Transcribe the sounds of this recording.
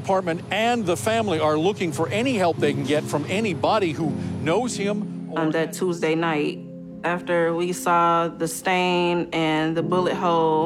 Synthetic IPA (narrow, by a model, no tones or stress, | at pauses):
pʰɑɹt̚mɨ̃ntɨ̃nðəfæ̃mliə˞lʊkɪ̃ŋfə˞ʔɛnihɛlˠp̚ðeɪkn̩ɡɛtfɹʌ̃mɛnibɑɾihunoʊz̥ɪ̃mnðɨtʰuzdeɪnaɪt̚ | æftə˞wisɔðɨstẽɪ̃mɨ̃nðɨbʊlˠɨt̚ɦoʊlˠ